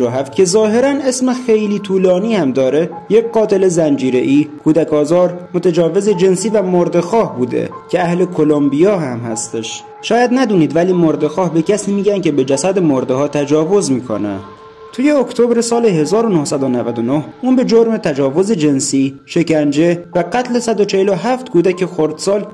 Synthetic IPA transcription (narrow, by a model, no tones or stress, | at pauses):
oɦæft̪̚cʰe̞zɒːɦe̞ɾæne̞smexejliːt̪ʰuːlɒːniːhæmd̪ɒːɾe̞ | jecɢɒːt̪ʰe̞le̞zænd͡ʒiːɾe̞ʔiːkʰuːd̪ækʰɒːzɒːɾmot̪ʰæd͡ʒɒːve̞ze̞d͡ʒe̞nsiːvæmoɾd̪e̞xɒːhbuːd̪ḛcʲʰeæhle̞kʰo̞lombijɒːɦæmhæst̪eʃ | ʃɒːjæd̪næd̪uːniːd̪væliːmoɾd̪e̞xɒːhbe̞cʰæsiːmiːɟænce̞be̞d͡ʒæsæd̪emoɾd̪ehɒːt̪ʰæd͡ʒɒːvozmiːkʰo̰næ̰ | t̪ʰuːje̞okt̪ʰobɾesɒːleɦe̞zɒːɾo̞nohsæd̪onævæd̪o̞nohuːnbe̞d͡ʒoɾme̞t̪ʰæd͡ʒɒːvo̞ze̞d͡ʒe̞nsiːʃe̞cænd͡ʒe̞væɢæt̪ʰle̞sæd̪o̞t͡ʃʰeheloɦæft̪kʰuːd̪æcʰexoɾd̪sɒːl